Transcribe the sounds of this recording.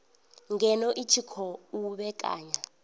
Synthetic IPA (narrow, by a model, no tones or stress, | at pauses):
ŋɡɛnɔʔitʰikʰɔuɓɛkʼa̰ːɲa